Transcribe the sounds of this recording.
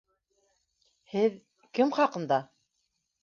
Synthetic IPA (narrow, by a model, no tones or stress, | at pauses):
hɘð | kɘmχɑqɤ̆nd̪ɑ